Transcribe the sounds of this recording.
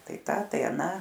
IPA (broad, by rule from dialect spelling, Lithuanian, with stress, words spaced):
ˈtɐɪ ˈtɐ tɐɪ ɐˈnɑː